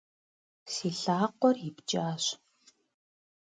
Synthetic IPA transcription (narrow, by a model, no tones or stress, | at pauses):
siɬaːqʷɔript͡ʃʼaːɕ